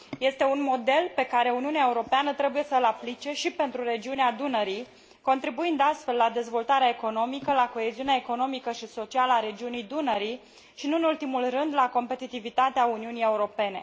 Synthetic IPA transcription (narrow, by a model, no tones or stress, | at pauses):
je̞st̪e̞unmo̞d̪e̞lpe̞kaɾe̞uniuneaeuɾo̞peanət̪ɾe̞buje̞səlaplit͡ʃe̞ʃipe̞nt̪ɾuɾe̞d͡ʒiunead̪unəɾij | ko̞nt̪ɾibuind̪ast̪fe̞lːad̪e̞zvo̞lt̪aɾeaeko̞no̞mikəlako̞eziunaeko̞no̞mikəʃisot͡ʃialəaɾe̞d͡ʒiunijd̪unəɾi | ʃinuɨnult̪imulrɨnd̪lako̞mpe̞t̪it̪ivit̪at̪eauniunije̞uɾo̞pe̞ne̞̰